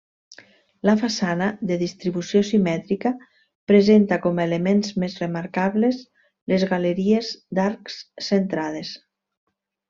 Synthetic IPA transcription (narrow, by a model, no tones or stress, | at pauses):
lafasanaðeðist̪ɾiβusjosimɛt̪ɾika | pɾezent̪akɔmelemenzmezremaɾkaβlez | lezɣaleɾiezd̪aɾksːent̪ɾaðes